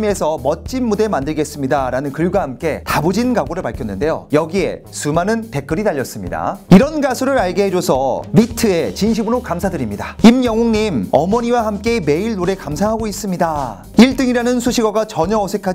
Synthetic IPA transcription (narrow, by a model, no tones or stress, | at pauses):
me̞sʰʌmʌt̚t͡ɕ͈inːude̞mandɯɭɡe̞s͈ɯmɲidaɾanɯnkɯɭɡwahamk͈e̞tabod͡ʑinɡaɡoɾɯɭpaɭkʰjʌnːɯnde̞jo̰jʌɡie̞̰ | sumanɯnte̞k͈ɯɾidaʎːʌs͈ɯmɲḭda̰iɾʌnɡasʰuɾɯɾaɭɡeɦe̞d͡ʑosʰʌmitʰɯe̞t͡ɕinɕ̬ʰibɯɾokamsʰadɯɾimɲidaimjʌŋɦoŋɲimʌ̰mʌɲiwahamk͈e̞me̞iɭnoɾe̞kamsʰaɦaɡois͈ɯmɲida | iɭt͈ɯŋiɾanɯnsʰuɕʰiɡʌɡat͡ɕʌɲʌːsʰe̞kʰad͡ʑ